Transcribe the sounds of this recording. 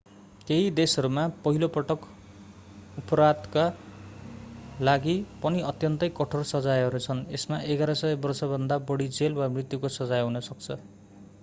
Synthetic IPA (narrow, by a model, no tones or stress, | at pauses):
keɦid̪esʌɾumapʌɦilopʌʈʌk | upʌɾad̪ka | laɡipʌniʌt̪jʌnt̪ʌjkʌʈʰorsʌd͡zajʌɾut͡sʰʌnesmaʔeɡaɾʌsʌebʌrsʌbʱʌnd̪abʌɽid͡zelwamrit̪jukosʌd͡zajɦunʌsʌk̚t͡sʰʌ